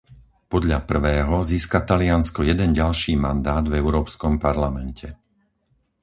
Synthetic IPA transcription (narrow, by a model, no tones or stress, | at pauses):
pɔd̪ʎapr̩ʋɛːɦɔziːskat̪alɪanskɔjɛd̪ɛnɟalʃiːmand̪aːd̪vɛʊɾɔːpskɔmpaɾlamɛncʰɛ